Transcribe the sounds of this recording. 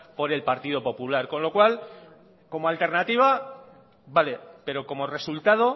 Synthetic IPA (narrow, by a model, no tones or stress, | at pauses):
po̞ɾe̞lpaɾt̪ið̞o̞po̞pulaɾko̞nlo̞kwal | ko̞moalt̪e̞ɾnat̪iβ̞a | bale̞pe̞ɾo̞ko̞mo̞re̞sult̪að̞o̞